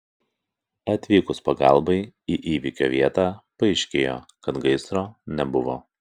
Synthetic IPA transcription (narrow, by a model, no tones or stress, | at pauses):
ɐt̪ʲʋʲiːkʊspɐɡɑˑlˠbɐɪiːʔiːʋʲikʲo̰ːʋʲiɛt̪ɑːpɐɪʃʲkʲḛːjo̰ːkɐt̪ɡɐɪsɾoːnʲɛbʊʋo̰ː